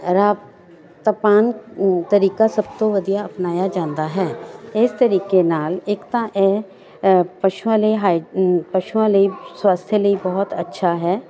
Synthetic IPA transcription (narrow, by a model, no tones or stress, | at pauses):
ɾaːb | t̪ɐpaːnt̪ɐɾiːkasɐb̚t̪oʋɐd̪ʱijaɐpnaːjad͡ʒãːnd̪aɦɛːɪst̪ɐɾiːkenaːleːkt̪ãʔɛ | pɐʃuãləiɦaːpɐʃuãləiswaːst̪ʰjələibɐɦɔt̪ɐtːʃʰaɦɛː